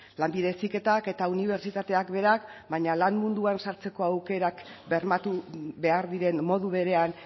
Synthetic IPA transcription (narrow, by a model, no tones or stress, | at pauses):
lambiðe̞sike̞t̪ake̞t̪auniβ̞e̞ɾt͡ʃit̪at̪e̞akbe̞ɾakbaɲalanmund̪uansaɾt͡se̞ko̞awke̞ɾakbe̞ɾmat̪uβe̞aɾðiɾe̞nmo̞ðuβe̞ɾe̞an